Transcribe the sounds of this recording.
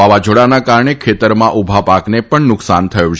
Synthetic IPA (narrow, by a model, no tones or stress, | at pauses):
aʋad͡ʒʱoɽanakaɾɳekʰet̪əɾmãʔubʱapaknepəɳnʊksant̪ʰəjũt͡ʃ